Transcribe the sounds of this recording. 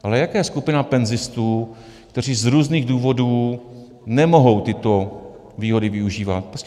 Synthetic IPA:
ʔalɛjakaːjɛskupɪnapɛnzɪst̪uː | kt̪ɛr̝iːzɾuːzniːɣduːvo̞duː | nɛmo̞ɦo̞wt̪ɪt̪o̞ | viːɦo̞dɪvɪuʒiːva̰t̪̚pɾosc

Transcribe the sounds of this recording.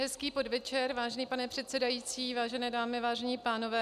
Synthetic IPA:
ɦɛskiːpo̞dvɛt͡ʃɛɾvaːʒɛniːpanɛpr̥ɛt̪sɛdajiːt͡siːvaːʒɛnɛːdaːmɪvaːʒɛɲiːpaːno̞vɛː

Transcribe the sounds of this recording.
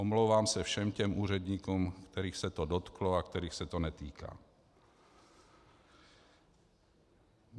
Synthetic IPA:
ɔmlowvaːmsɛfʃɛmcɛmʔuːɾɛd̪ɲiːkumkt̪ɛɾiːxsɛt̪ɔdɔt̪klɔakt̪ɛɾiːxsɛt̪onɛt̪ḭːka̰ː

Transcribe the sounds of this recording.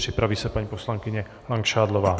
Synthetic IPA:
ripɾaʋiːsapaɲipɔslaŋkiɲɛ | laŋkʃaːd̪lɔʋaː

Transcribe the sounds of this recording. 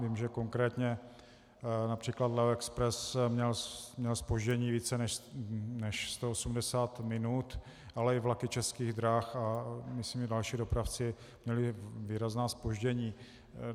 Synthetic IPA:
viːmʒɛko̞ŋkɾɛːt̪ɲɛ | napr̥iːklat̪lɛɛkspɾɛsmɲɛlmɲɛlspo̞ʒɟɛɲiːviːt͡sɛnɛnɛʃst̪oosumdɛsaːt̪mɪnut̪ | ʔalɛɪvlakɪt͡ʃɛskiːɣd̪ɾaːxamɪsimʒɛdalʃiːdo̞pɾaft͡sɪ | mɲɛlɪviːɾaznaːspo̞ʒɟɛɲiː

